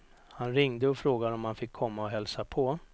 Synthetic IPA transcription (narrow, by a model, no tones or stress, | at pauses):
hanɾɪŋd̪əɔfɾoːɡad̪əɔmhanfɪkʰːɔmːaɔɦɛlsapʰɔ